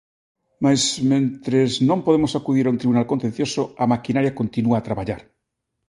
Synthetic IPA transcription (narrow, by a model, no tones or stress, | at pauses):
mazmẽnt̪ɾeznõmpoð̞emosakuðiɾaunt̪ɾiβunalkont̪ẽn̟θjosoamakinaɾjakont̪inuaːt̪ɾaβaʎaɾ